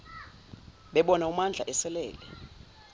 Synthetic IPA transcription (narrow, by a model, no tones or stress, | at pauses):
ɓɛɓɔnaumand͡ɮʱaʔɛsɛlɛ̰ːlɛ